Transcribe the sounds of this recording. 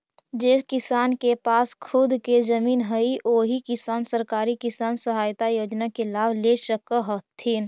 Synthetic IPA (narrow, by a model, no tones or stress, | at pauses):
d͡ʒekɪsaːnkepaːskʰʊd̪kezəmiːnɦəiʔoːɦikɪsaːnsəɾkaːɾikɪsaːnsəɦaːjt̪ajoːd͡ʒnakelaːbleʃəkəɦət̪ʰːiːn